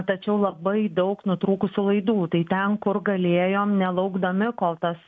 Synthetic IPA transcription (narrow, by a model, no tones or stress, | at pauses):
t̪ɐt͡ʃʲɛʊlˠɐbɐɪd̪ɐʊknʊt̪ɾuːkʊsʲulˠɐɪd̪uːt̪ɐɪt̪ʲɛnkʊɾɡɐlʲeːjoːmnʲɛlˠɐʊɡd̪ɐmʲɪkoːlˠt̪ɐs